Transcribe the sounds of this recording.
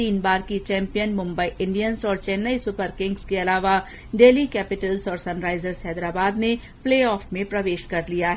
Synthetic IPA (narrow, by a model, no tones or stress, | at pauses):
iːnbaːɾkit͡ʃɛ̃ːmpijənmʊ̃mbəiʔɪ̃ɳɖijənzɔːɾt͡ʃɛːnːəisʊpəɾkɪ̃ŋɡskeɐlaːʋa | ɖeːlikɛːpɪʈəlzɔːɾsɐ̃nɾaːɪzəɾzɦɛːd̪ɾaːbaːd̪ne | pleːɔːfmẽpɾɐʋeːʃkɐɾlijaɦɛ